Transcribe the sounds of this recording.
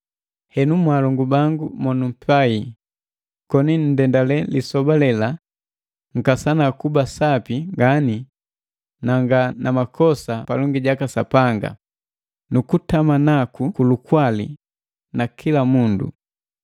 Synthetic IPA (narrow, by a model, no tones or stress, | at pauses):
hɛnumwalɔŋɡubaŋɡumɔnum̩pai | kɔnin̩dɛndalɛlisɔbalɛla | ŋ̩kasanakubasapiŋɡani | naŋɡanamakʰɔsapalɔŋɡiɟakasapaŋɡa̰ | nukutamanakukulukwalḭ | nakʰilamundṵ